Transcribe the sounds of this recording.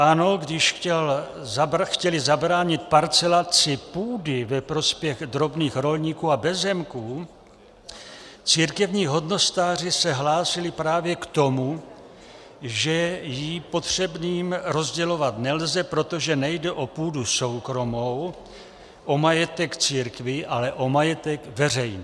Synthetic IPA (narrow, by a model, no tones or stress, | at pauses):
ʔano̞ɡdɪʃxcɛl | zaxcɛlɪzabɾaːɲɪt̪̚paɾt͡sɛlat͡sɪpuːdɪvɛpɾo̞spjɛɣd̪ɾo̞bniːxɾo̞lɲikuːabɛzɛmkuː | t͡siːɾkɛvɲiːɦo̞dno̞st̪aːr̝ɪsɛɦlaːsɪlɪpɾaːvjɛkt̪o̞mu | ʒɛjipo̞t̪r̥ɛbniːmɾo̞zɟɛlo̞vat̪nɛlzɛpɾo̞t̪o̞ʒɛnɛjdɛʔo̞puːduso̞wkɾo̞mow | ʔo̞majɛt̪ɛkt͡siːɾkvɪʔalɛʔo̞majɛt̪ɛkvɛr̝ɛjni